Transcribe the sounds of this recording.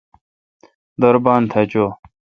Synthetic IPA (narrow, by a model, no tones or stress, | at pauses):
d̪ɐɾbaːnt̪ʰɐt͡ɕoː